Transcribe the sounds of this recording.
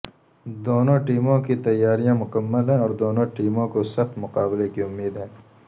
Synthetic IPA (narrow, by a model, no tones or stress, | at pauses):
d̪oːnõʈiːmõkit̪ɐjːaːɾijãmʊkəmːəlɦɛ̃ɔːɾd̪oːnõʈiːmõkosɐxt̪mʊqaːblekiʊmːiːd̪ɦɛ̃ː